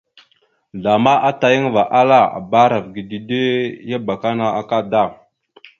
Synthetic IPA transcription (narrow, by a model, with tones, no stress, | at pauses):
ɮa˨ma˦ʔa˦ta˨jə˦ŋva˨ʔa˦la˦a̰˨ba˦ɾa˨vɡi˨di˨de˦ja˦ba˨ka˦na˨a˨ka˦da˦˨